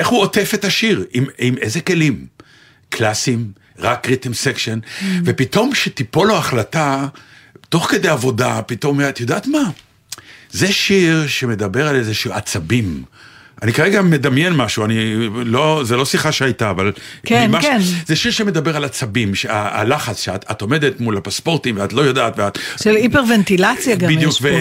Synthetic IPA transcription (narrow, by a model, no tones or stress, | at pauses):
e̞χhuote̞fetaʃiʁimimezeke̞lim | kʰlasim | ʁakːʁit̪imsekʃenve̞pito̞mʃet̪ipo̞loaχlata | t̪o̞χke̞d̪ejavo̞dapito̞mat̪jo̞d̪aːt̪ma | zeʃiʁʃe̞me̞d̪abe̞ʁalezeʃuat͡sabimʔanikaʁeɡame̞d̪amjenmaʃuanilozelo̞siχaʃeajtaːvalemazeʃiʁʃemed̪abeʁalat͡sabimʃeaa̰laχat͡sʃeatat̪o̞me̞d̪e̞tmulapaspo̞ʁt̪imveat̪lo̞jodaːt̪veatʃelipeʁvent̪ilat͡sjaɡabidjukve